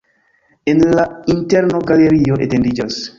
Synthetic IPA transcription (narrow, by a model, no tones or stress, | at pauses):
enlainteɾnoɡaleɾioʔḛtendid͡ʒos